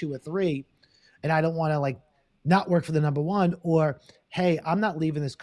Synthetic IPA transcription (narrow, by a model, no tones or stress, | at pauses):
ʉə˞θɹi | ɨ̃ñaɪɾõʊ̃nʔ̚wɑ̃nəlaɪk̚ | nəʔwɜ˞kfə˞ðɨnʌ̃mbə˞wʌ̃nə˞ | heɪʔã̰ɪ̃mnətˡlivɪ̃ŋðɪskʰ